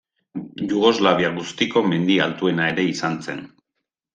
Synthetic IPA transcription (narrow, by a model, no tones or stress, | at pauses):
ʝuɣo̞zlaβiaɣust̪iko̞me̞nd̪ialt̪ue̞nae̞ɾe̞isant͡se̞n